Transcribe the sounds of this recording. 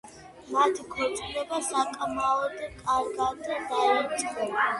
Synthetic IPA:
mat̪ʰikʰɔt̪ʼlɛbasakʼmaɔd̪kʼaɾɡad̪d̪aɾɛt͡ʃʼχʼɔa

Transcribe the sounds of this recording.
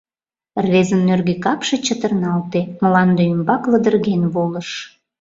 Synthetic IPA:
rβezənːørɣekɑpʃet͡ɕət̪ərnɑlt̪eməlɑnd̪eymbɑkləd̪ərɣenβoləʃ

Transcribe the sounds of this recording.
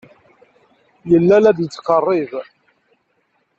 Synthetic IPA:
jəlːælæd̪jət͡sːqərˤːɪv

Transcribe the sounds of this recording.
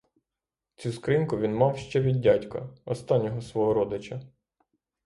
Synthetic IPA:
t͡sʲuskɾɪnkʊʋʲinmɑwʃt͡ʃɛʋʲid̪̚ʲdʲatʲkɐ̰ɔst̪ɑnʲːɔɦɔsʋɔɦɔɾɔd̪ɪt͡ʃɐ

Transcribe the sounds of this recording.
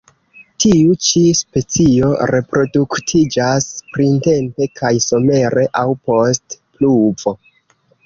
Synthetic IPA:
tiut͡ʃispe̞t͡sio̞ɾe̞pɾo̞duktʰid͡ʒaspɾinte̞mpe̞kʰajsome̞ɾe̞ʔawpo̞stpluvo̞

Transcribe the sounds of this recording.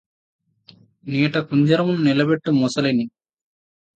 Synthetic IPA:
niːʈɐkuɲd͡ʒɐɾɐmununilɐbeʈːumɔsɐlini

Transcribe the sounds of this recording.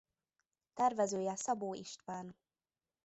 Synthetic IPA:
t̪ɛrvɛzøːjɛsɒboːiʃt̪ʋaːn

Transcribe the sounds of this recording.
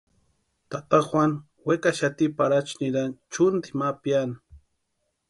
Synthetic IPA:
t̪at̪axwan | wekaʃat̪ipaɾat͡ʃniɾant͡ʃʊnd̪imapjan

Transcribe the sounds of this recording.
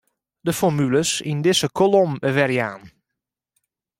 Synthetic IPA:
dəfɔrmyləsindɪsəkʰolomʋɛrjaːn

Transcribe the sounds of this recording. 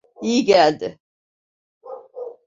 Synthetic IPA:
ijiɟælʲd̪ɪ

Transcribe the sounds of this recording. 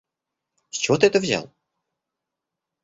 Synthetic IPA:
sʲt͡ɕɪvot̪ɨɛt̪əvzʲa̰lˠ

